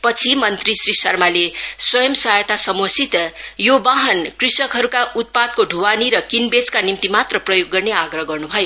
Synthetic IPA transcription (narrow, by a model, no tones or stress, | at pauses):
pʌt͡sʰimʌnt̪risɾisʌrmaleswʌjʌmsajet̪asʌmwʌsit̪jobaɦʌnkrisʌkɦʌɾukaʔut̪̚pad̪̚koɖʱuwaniɾʌkinbet͡skanimt̪imat̪rʌprʌjoɡːʌrneaɡrʌɦɡʌrnubʱʌjo